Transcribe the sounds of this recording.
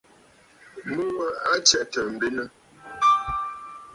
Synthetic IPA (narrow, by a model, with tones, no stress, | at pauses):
mu˦wa˦a˦t͡ʃɛ˦˨ʔtə˨m̩˨be˦nə˦